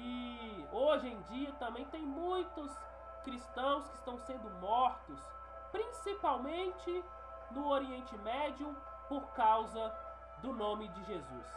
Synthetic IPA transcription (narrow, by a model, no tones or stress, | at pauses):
ɪoʒẽj̃d͡ʒiɐt̪ɐ̃mbẽj̃t̪ẽj̃mũj̃t̪ʊs | kɾist̪ɐ̃w̃skɪst̪ɐ̃w̃sẽnd̪ʊmɔɾt̪ʊs | pɾĩsipawmẽnt͡ʃɪ | nʊoɾiẽnt͡ʃɪmɛd͡ʒiʊ | poɾkawzɐ | d̪ʊnõmɪd͡ʒɪʒezṵs